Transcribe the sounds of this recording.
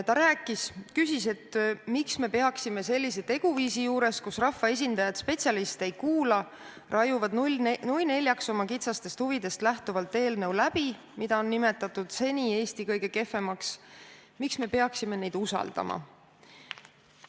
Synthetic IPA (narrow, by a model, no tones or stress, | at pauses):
t̪ɑɾæːkːˑiskysise̞t̪ːmiksme̞pe̞ɑksime̞se̞lʲːis̬e̞t̪e̞ɡ̥uviːsijuːɾe̞skusrɑfːɑe̞s̬ʲind̪ɑjɑd̪spe̞t̪sʲɑlist̪e̞jkuːlɑ | rʔɑjuvɑd̪nujne̞lʲjɑkso̞mɑkit̪sɑst̪e̞st̪huvid̪̥e̞st̪læht̪uvɑlt̪ːˑe̞ːlnɤ̞wlæb̥i | mid̪̥ɑo̞nːime̞t̪ːˑɑt̪ːˑud̪̥se̞nʲie̞ːst̪ikɤjɡ̥e̞ke̞fe̞mɑksmiksme̞pe̞ɑksime̞ne̞jd̪̥usɑ̰ld̪̥ɑ̰mʔɑ̰